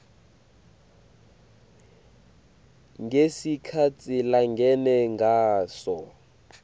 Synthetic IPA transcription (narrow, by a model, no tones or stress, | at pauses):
ŋɡesikʰat͡sʰʼilaŋɡʱɛnɛŋɡʱaːsɔ